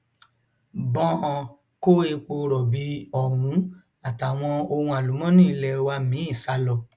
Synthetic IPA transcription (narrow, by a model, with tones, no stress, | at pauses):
bɔ̃˦˧˨ | ko˦e˧k͡po˧ɾɔ˨bi˨˦ɔ˨wũ˨˦ | a˨ta˨w̃ɔ̃˧o˧hũ˧a˨lu˨˦mɔ̃˦nĩ˦˧lɛ˧wa˧mĩ˨˦ĩ˦˨sa˧˦lɔ˧